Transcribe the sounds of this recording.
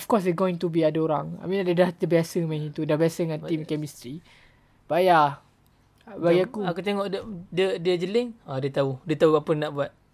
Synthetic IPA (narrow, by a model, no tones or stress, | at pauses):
ɔfkɔs̬ɛɡoĩŋt̪ubiadaoɾaŋa̰jmĩnɛʔdədad̪əbiasəmɛ̃nĩt̪udabiasəŋãnt̪imkɛmist̪ɾi | b̥aja | baɡiakuakut̪eŋɔʔədədiəd͡ʒəlɪŋadiət̪audiət̪aubapənaʔbuat̪̚